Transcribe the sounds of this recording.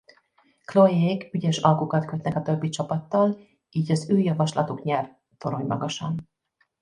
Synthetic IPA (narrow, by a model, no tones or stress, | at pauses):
klojeːɡyɟɛʃɒlkukɒt̪køt̪nɛkɒt̪ø̞bːit͡ʃɒpɒt̪ːɒl | iːɟɒzøːjɒvɒʃlɒt̪ukɲɛr | t̪oɾoɲmɒ̰ɡɒʃɒn